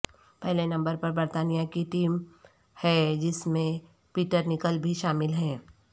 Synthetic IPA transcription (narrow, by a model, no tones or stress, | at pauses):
pɛɦlenɐ̃mbəɾpɐɾbɐɾt̪aːnijakiʈiːm | hɛd͡ʒɪsmẽ | piːʈəɾnɪkəlbʱiʃaːmɪlɦɛ̃ː